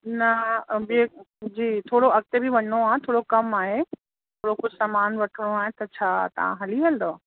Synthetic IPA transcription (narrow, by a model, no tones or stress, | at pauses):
nɐbie | d͡ʑiːt̪ʰoːɽoɐɡ̚t̪ebʱiʋɐɲnoaːɦẽt̪ʰoːɽokɐmaːɦe | tt̪ʰoːɽokʊd͡ʑʱsɐmaːnʋɐʈʰəɽ̃oaːɦet̪ɐt͡ɕʰaːt̪ɐ̰ʋ̤ã̰ɦɐliɦɐld̪o